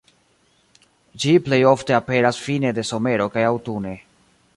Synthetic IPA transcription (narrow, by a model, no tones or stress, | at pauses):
d͡ʒiple̞jo̞fte̞ape̞ɾasfine̞de̞so̞me̞ɾo̞kajawtune̞